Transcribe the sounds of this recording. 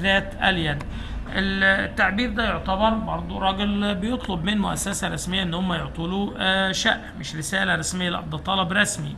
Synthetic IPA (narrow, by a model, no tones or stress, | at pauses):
ðæːt̪ʔæljæd̪ | ʔelt̪ːaʕbiːɾd̪æjoʕt̪ɑbɑɾˤbɑɾˤd̪ˤuɾˤɑːɡelbɪjot̪ˤlobmɪnmʊʔæ̰sːæsæɾˤɑsmɪjːæʔenːhomːæjoʕt̪ˤuluʃæ̰ʔmɪʃɾɪsæːlæɾˤɑsmɪjːælʔɑ̰b̚d̪ˤɑt̪ˤːɑlɑbɾˤɑsmi